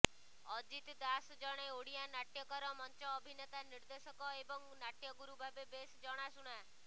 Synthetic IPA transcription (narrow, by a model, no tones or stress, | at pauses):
ɔd͡ʒit̪d̪asd͡ʒɔɽ̃eoɽijanaʈjɔkɔɾɔmɔnt͡ʃɔːbʱinet̪aniɾd̪esɔkɔebɔŋnaʈjɔɡuɾubʱabebesd͡ʒɔɽ̃asuɽ̃a